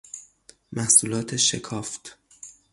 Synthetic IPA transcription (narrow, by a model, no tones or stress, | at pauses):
mæhsuːlɒːt̪ʰeʃekʰɒːft̪